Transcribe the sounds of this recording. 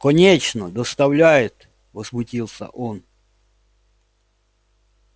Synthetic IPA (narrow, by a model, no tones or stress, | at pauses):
kənʲet͡ɕnəd̪əst̪ɐvlʲæjɪt̪ | vəzmʊtʲilˠsʲə̰ʔon